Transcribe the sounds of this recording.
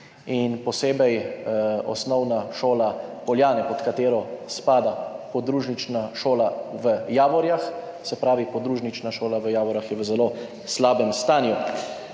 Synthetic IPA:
inpɔseːbɛj | ɔ̰snɔwnaʃoːlapɔljaːnɛpɔt̪kat̪eːɾɔspaːd̪apɔd̪ɾuʒnit͡ʃnaʃoːlaʋəjaːʋɔɾjax | sɛpɾaːʋipɔd̪ɾuːʒnit͡ʃnaʃoːlaʋəjaːʋɔɾjaxjɛʋəzɛloː | slaːbɛmst̪aːnju

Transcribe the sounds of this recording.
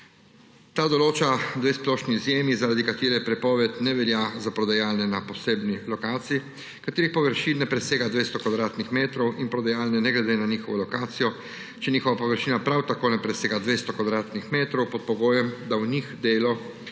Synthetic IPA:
t̪ad̪ɔloːt͡ʃad̪ʋesplɔʃniːzjeːmizaɾad̪ikat̪eːɾɛpɾɛpɔːʋɛt̪nɛʋɛljazapɾɔd̪ajaːlnɛnapɔseːbnilɔkaːt̪siji | kat̪eːɾixpɔʋəɾʃiːnːɛpɾɛseːɡad̪ʋest̪ɔkɔd̪ɾaːt̪nixmeːt̪ɾɔwinpɾɔd̪ajaːlnɛnɛɡlɛd̪eːnaniːxɔʋɔlɔkaːt̪sijɔ | t͡ʃɛniːxɔʋapɔʋəɾʃiːnapɾawt̪akoːnɛpɾɛseːɡad̪ʋeːst̪ɔkɔd̪ɾaːt̪nixmeːt̪ɾɔwpɔt̪̚pɔɡoːjɛmd̪awnixd̪eːlɔ

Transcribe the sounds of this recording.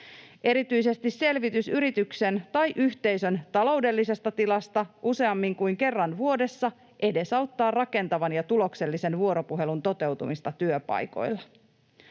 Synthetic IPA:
ʔe̞ɾit̪yise̞st̪isse̞lʋit̪ysyɾit̪ykse̞nt̪ɑjʔyçt̪e̞jsø̞nt̪ɑlo̞wde̞lːise̞st̪ɑt̪ilɑst̪ɑʔuse̞ɑmːiŋkujŋke̞rːɑnʋuo̞de̞sːɑ | ʔe̞de̞sɑwt̪ːɑːrrɑke̞nt̪ɑʋɑnjɑt̪ulo̞kse̞lːise̞nʋuo̞ɾo̞puɦe̞lunt̪o̞t̪e̞wt̪umist̪ɑt̪yøpɑ̰jko̞̰jlːɑ

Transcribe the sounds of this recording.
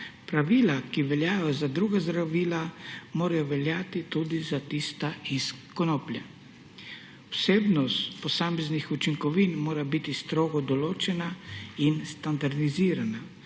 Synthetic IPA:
pɾaʋiːlakiʋɛljaːjɔzad̪ɾuːɡazd̪ɾaʋiːlamoːɾajɔʋɛljaːt̪it̪ud̪izat̪ist̪aiskɔnoːplʲja | ɔseːbnɔst̪pɔsaːmɛznixut͡ʃiŋkɔʋiːnmoːɾabit̪ist̪ɾoːɡɔd̪ɔloːt͡ʃɛnainst̪and̪aɾd̪iziːɾana

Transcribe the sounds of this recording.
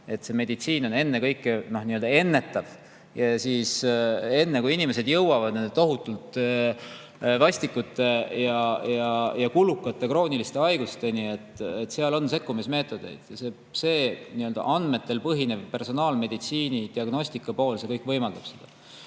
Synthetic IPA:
e̞t̪ːse̞me̞d̪it̪siːno̞ne̞nːe̞kɤjkːeno̞hniøld̪ɑe̞nːe̞t̪ːˑɑv | jɑsiːse̞nːekuinime̞se̞d̪̥jɤwɑvɑd̪̥ne̞nd̪e̞t̪o̞ɦut̪ːˑult̪ˑ | vɑsʲt̪ikːˑut̪ːˑe̞jɑjɑjɑkulukːˑɑt̪ːˑe̞kro̞ːnilist̪e̞ɑjɡust̪e̞nie̞t̪ːˑet̪ːˑseɑlo̞nse̞kːumisme̞ːt̪ːˑo̞d̪̥e̞̰jd̪̥jɑse̞ | se̞ːniø̞ld̪̥ɑ̰ʔɑnd̪me̞t̪ːe̞lpɤɦine̞vpe̞rso̞nɑːlme̞d̪it̪siːnid̪̥iɑɡno̞sʲt̪ikːˑɑpo̞ːlse̞kɤjkːˑvɤ̞jmɑld̪̥ɑb̥se̞d̪̥ɑ

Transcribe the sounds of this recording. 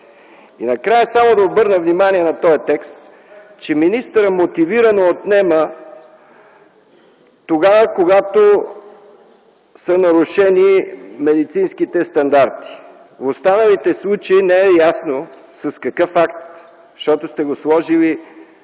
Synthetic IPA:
ḭnɐkɾajəsamod̪ɐobɤɾnəvnimaniɛnɐt̪ɔjət̪ɛkst̪ | t͡ʃɛminist̪əɾəmot̪iviɾənoːt̪nɛmə | t̪oɡavəkoɡat̪o | sənɐɾuʃɛnimɛd̪it̪sinskit̪ɛst̪ɐnd̪aɾt̪i̥ | vost̪anəlit̪ɛslˠut͡ʃəinɛɛjasno | sɐskɐkɤfakt̪ | ʃt̪ɔt̪ost̪ɛɡoslˠɔʒili

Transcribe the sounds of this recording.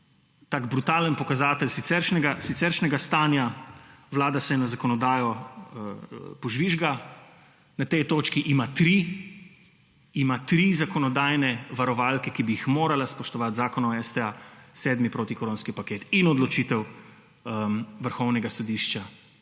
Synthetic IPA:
t̪aːɡbɾut̪aːlənpɔkazaːt̪ɛlsit̪sɛɾʃnɛɡasit̪sɛɾʃnɛɡast̪aːnjaʋlaːd̪asɛnazakɔnɔd̪aːjɔ | pɔʒʋiʒɡa | nat̪ɛjt̪oːt͡ʃkiʔimat̪ɾi | imat̪ɾizakɔnɔd̪aːjnɛʋaɾɔʋaːlkɛkibijixmoːɾalaspɔʃt̪ɔʋat̪zaːkɔnaɛst̪ɛasɛːd̪mipɾoːt̪ikɔɾoːnskipakeːt̪inɔd̪lɔt͡ʃit̪ɛw | əʋəɾxɔwnɛɡasɔd̪iʃt͡ʃa

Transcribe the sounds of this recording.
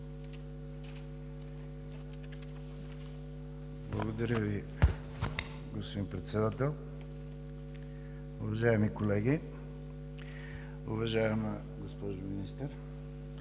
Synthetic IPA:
blˠɐɡod̪ɐɾʲəvi | ɡospod̪inpɾɛt̪sɛd̪at̪ɛlˠ | ʊvɐʒaɛmikolɛɡʲi | ʊvɐʒaɛmə | ɡospɔʒʊminist̪əɾ

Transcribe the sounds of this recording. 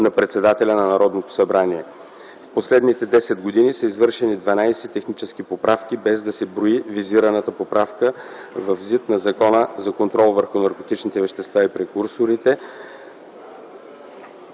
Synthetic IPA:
nɐpɾɛt̪sɛd̪at̪ɛlʲɐnɐnɐɾɔd̪not̪o̥sɐbɾaniɛ | fposlɛd̪nit̪ɛd̪ɛsɛd̪̚ɡod̪inisəizvɤɾʃɛnid̪vɐnajsɛt̪ɛxnit͡ʃɛsk̟ipopɾafk̟ibɛzd̪ɐsɛbɾoiviziɾɐnət̪əpopɾafkə | vɐvzit̪nɐzɐkɔnəzɐkont̪ɾɔlˠvəɾxʊnɐɾkot̪it͡ʃnit̪ɛvɛʃt̪ɛst̪vaipɾɛkuɾsoɾit̪ɛ

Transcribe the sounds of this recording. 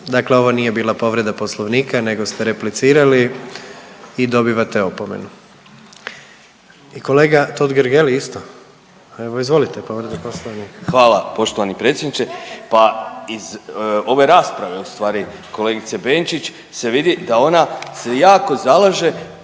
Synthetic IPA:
d̪akle̞o̞ʋoniːje̞biːlˠapo̞ʋɾe̞d̪apo̞slˠoʋniːkane̞ɡo̞st̪e̞ɾe̞plit̪siːɾali | id̪o̞biʋat̪e̞opomḛnu | iko̞le̞ːɡat̪o̞d̪ɡeɾɡeliist̪o | e̞ʋoizʋo̞lit̪epo̞ʋɾed̪aposlˠoʋnikxʋaːlˠapo̞ʃt̪oʋanipɾe̞t̪sʲjed̪nit͡ʃepaizo̞ʋe̞ɾaːspɾaʋe̞ust̪ʋaːɾiko̞leːɡit̪se̞beːnt͡ʃit͡ɕ | se̞ʋid̪id̪ao̞nase̞jaːko̞zalaʒe̞

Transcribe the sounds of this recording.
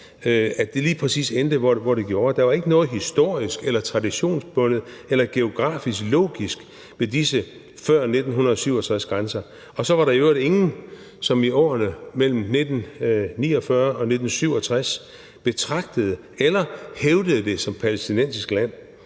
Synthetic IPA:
æd̥e̝liːpʰʁɛsḭːsend̥əʋɒʋɒɾ̥e̝ɡ̥jo̝ːɐd̥ɑ̈ʋɑ̈e̝ɡ̥ənɔ̽ːð̩ˠɦisd̥o̝ɐ̰isɡ̥elɐt͡sʰʁɑ̈diɕo̝̰ːnsb̥ɔ̽nð̩ˠelɐɡ̥e̝o̝ɡ̥ʁɑ̰̈ːfisɡ̥lo̝̰ːɡ̥isɡ̥ | ʋe̝disə | fɶɐ̰ne̝d̥n̩ɦunɐðˠsyʊɒt͡sʰʁasɡ̥ʁansɐ | ɒ̽sɒ̽ʋɑ̈ɾɑ̈iøʊɐɾe̝ŋn̩ | sɒ̽miɒ̰ːnəmel̰m̩ned̥n̩nḭːɒ̽fɶɐʔɒ̽ne̝d̥n̩syʊ̰ɒ̽t͡sʰʁas | b̥e̝t͡sʰʁɑ̈ɡ̥̚d̥əð̩ˠə | elɐheʊd̥əðˠəd̥e̝sɒ̽mpʰælesd̥inen̰sisɡ̥læn̰

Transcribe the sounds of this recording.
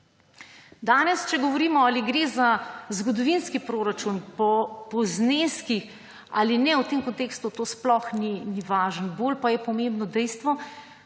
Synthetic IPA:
d̪aːnɛst͡ʃɛɡɔʋɔɾiːmɔaːliɡɾeːzazɡɔd̪ɔʋinskipɾoːɾat͡ʃunpɔpɔzneskix | a̰ːlinɛwt̪emkɔnt̪eːkst̪ut̪oːsplɔxniniʋaːʒənbolpajɛpɔmembnɔd̪ɛjst̪ʋɔ

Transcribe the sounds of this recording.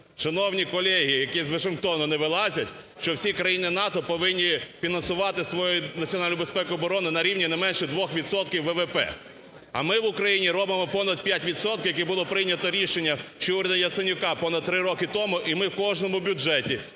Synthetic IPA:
ʃɪnɔwnʲikɔlʲɛɦijɐkizʋɐʃɪnkt̪ɔnʊnɛʋɪlˠɑzʲɐtʲ | ʃt͡ʃɔwsʲikɾɐjinɪnɑt̪ɔpɔʋɪnʲːifʲinɐnsʊʋɑt̪ɪsʋɔjɔjʊnɐtt͡sʲiɔnɑlʲnʊbespɛkʊɔbɔɾɔnɪnɐɾʲiwnʲinɛmɛnʃɛd̪ʋɔxʋʲid̪sɔt̪kʲɪwʋɛʋɛpɛ̰ | ɐ̰mɪʋʊkɾɐjinʲiɾɔbɪmɔpɔnɐd̪̚pʲjatʲʋʲid̪sɔt̪̚kɪjɐkibʊlˠɔpɾɪjnʲɐt̪ɔɾʲiʃenʲːɐt͡ʃɔuɾʲɐd̪ɐjɐt̪senʲʊkɑpɔnɐd̪̚t̪ɾɪɾɔkɪt̪ɔmʊʔimɪwkɔʒnɔmʊbʲʊd͡ʒɛtʲi

